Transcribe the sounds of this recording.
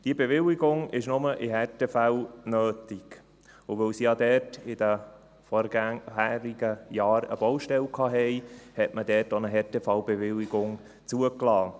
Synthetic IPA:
d̥iəbevɪliɡʊŋɪʃnʊməʔɪɦɛɾtefæwnøːtiɡ | ʊvølsijɑd̪ɛːɾtɪd̥̪ə | fɔɾɡhæːɾiɡəjɑːɾə̰b̥ɔwʃtɛlkʰɑːɦɛɪhɛtmədɛːɾtonəɦɛɾtefɑwbevɪliɡʊŋ | t͡suəklɑː

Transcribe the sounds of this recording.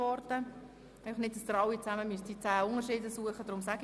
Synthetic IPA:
ɔɾdə | æɪfɑχnɪt̚d̥sd̪əɾɑwit͡sæməmysdit͡sæːʊŋəɾʃɪːdəsuəχəd̥ɾʊmsæɡ

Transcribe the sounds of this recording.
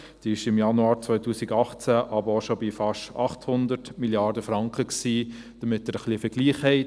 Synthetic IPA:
d̪̥iːɪʃɪmjɑnuɑːɾt͡svɔʏtʰuːsiɡɑχt͡sæʔɑbəɾoʃobifɑʃtɑ̰χthʊnd̪əɾtmiljɑːɾdəfɾɑŋkχəksiː | d̥əmɪtːəɾəχliəfəɾɡ̥liːχhɛɪt

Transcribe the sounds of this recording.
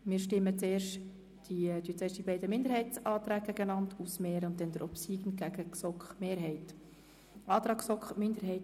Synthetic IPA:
mɪːɾʃtɪmːət͡seːɾʃt | d̥id̪yət͡seːʃd̥ibɛɪdəmɪndəɾhɛɪt͡sɑːt̪ɾæːk̚ɡ̥æɡənɑntʰusmeːɾʊnt̚dɛndəɾʔɔpsiːɡən̩ɡ̥æɡ̥əksɔkχmeːɾɦɛɪt | ʔɑːt̪ɾɑːksɔkχmɪnd̪əɾɦɛɪt

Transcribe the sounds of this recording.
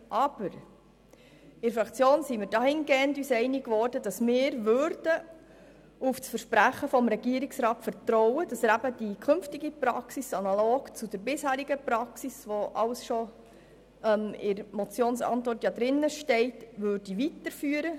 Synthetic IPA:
ʔɑb̥əɾ | ɪɾfɾɑkʰt͡sjoːnsimɪːɾdɑhɪnɡeːəntyːsɛɪnikʋɔrdəd̥ɑsmɪːɾʋøɾd̥ə | ufsfəɾʃpɾæχəfɔmɾɛɡ̥iəɾɪksɾɑːtfəɾtɾɔwəd̥ɑsəɾæbəd̥ikʰɵmftɪɡipɾɑ̰ksisɑnɑloːɡt͡sud̥əɾbɪshæːɾiɡəpɾɑksisʋɔʔɑ̰ʊsʃɔ | mɪɾmɔt͡sjoːnsɑ̰ntʋɔrtːjɑd̪ɾɪnːəʃtɛɪtʋøːɾd̥iʋitəɾfyːəɾə

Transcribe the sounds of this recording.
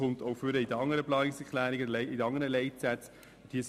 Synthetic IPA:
ʊntoʊfʏɾəid̪əɑŋːəɾəplɑːnɪksɛkʰlæːɾiɡəlɛidɑŋːəɾəlɛɪtsæt͡s | d̥iːəs

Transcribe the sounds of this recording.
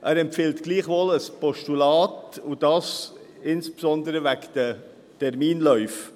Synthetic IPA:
ʔæːɾɛmpfɪltɡ̥liːχʋoːləspɔʃtulɑːtud̥ɑːs | ɪnspsɔnd̪əɾəvækd̥ə | tɛɾmiːnlœʏf

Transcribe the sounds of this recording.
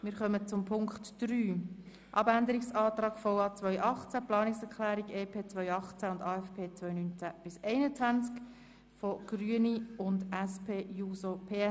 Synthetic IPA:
mɪːɾχœmət͡sʊmpʰʊŋkχtd̥ɾyː | ʔɑbænd̪əɾiksɑːt̪rɑːɡ̥fɔwɑːt͡sʋœʏʔɑχt͡sæplɑːnɪksɛɾkʰlæːɾiɡeːpʰeːt͡sʋœʏɑχt͡sæʊndɑːɛfpʰeːt͡sʋvœʏjnynt͡sæb̥ɪsɛɪnət͡sʋænt͡sk | fɔɡ̥ryəniʊndæspʰeːjuːsopʰeːɛ

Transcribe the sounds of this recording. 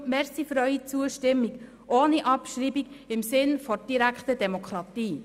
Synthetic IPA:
mɛɾsifɾœʏit͡suəʃtɪmːiɡ | ʔoːniʔɑpʃɾiːbiɡɪmsɪnfɔd̥iɾækχtədɛmɔkχɾɑt̪iː

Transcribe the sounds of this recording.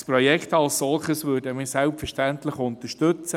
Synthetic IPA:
spɾɔjɛkχtɑlssɔlχəsʋøːɾdəmɪːsɛlpfəɾʃtænt̪lɪχʊnt̪əʃtɵt͡sə

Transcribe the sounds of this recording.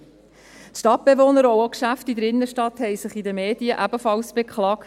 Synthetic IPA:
t̪ʃtɑt̚b̥evoːnəɾookʃæftidəɾɪnːəʃtɑthɛɪsɪχid̪əmeːd̥iəʔæb̥əfɑlsb̥ekχlɑːkt

